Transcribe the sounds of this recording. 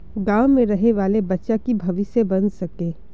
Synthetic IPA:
ɡaːʊmẽɾɐɦeʋaːlebɐtːʃakibʱɐʋɪsebɐnsɐkẽː

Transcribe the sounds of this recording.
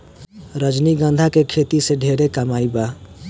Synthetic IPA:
ɾəd͡ʒniɡənd̪ʱakekʰet̪iseɖʱeɾekəmaiba

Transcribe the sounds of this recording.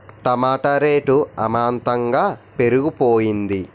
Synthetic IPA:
ʈ̪ɐmaːʈɐɾeːʈuɐmaːnt̪ɐŋɡaːpe̞ɾuɡupoːjind̪i

